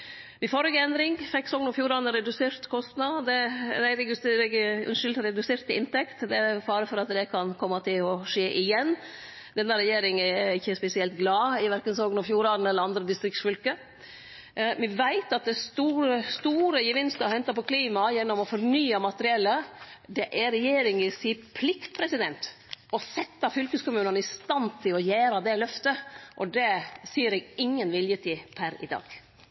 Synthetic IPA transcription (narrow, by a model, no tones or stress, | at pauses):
ʋɪfɔɾəɡəɛnd̪ɾɪŋfɛkːsoːɡənɔfjuːɾɑnəɾɛd̪ʉseːɾt̪kʰɔst̪nɑd̪ɛd̪ɛɾɛɡɛɡʉ̰nʂʏlt̪ɾɛd̪ʉseːɾt̪ɪɪ̰nt̪ɛkt̪d̪ɛfɑːɾəfɔɾɑt̪d̪ɛkʰɑnkʰɔmːɑt̪ʰɪlɔʂeːʔɪjɛnː | d̪ɛnːəɾɛjeːɾɪŋɛɪçːəspɛsɪɛlt̪ɡlɑːɪʋæɾkənsoːɡənɔfjuːɾɑn̩ɛlːəɾɑnd̪ɾəd̪ɪst̪ɾɪksfʏlkə | ʋɪʋæɪt̪ɑt̪̚d̪ɛst̪uːɾəst̪uːɾəjəʋɪnst̪əɑhɛnt̪ɑpɔkʰliːmɑjɛnːɔmɔfɔɾnyːɑmɑt̪əɾɪɛlːəd̪ɛʔæɾɛjeːɾɪŋʋɪsiːpʰlɪkt̪pʰɾɛsɪd̪ɛnt̪ɔsɛt̪ːɑfʏlkəskʊmʉːnənəɪst̪ɑnt̪ʰɪlɔjeːɾɑd̪ɛlœft̪əʔɔd̪ɛsiːəɾɛɡɪŋːənʋɪljət̪ʰiːpʰæɾɪ̰d̪ɑ̰ːɡ̥